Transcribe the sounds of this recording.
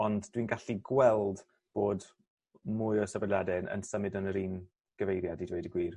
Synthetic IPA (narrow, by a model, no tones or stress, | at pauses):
ɔndd̥winɡaɬiɡwɛlˠd | b̥oːd | mʊɨɔsəvɛdljadɛnə̰nsəmɨdənəɾiːn | ɡ̥əvejɾjadidwejdəɡwiːr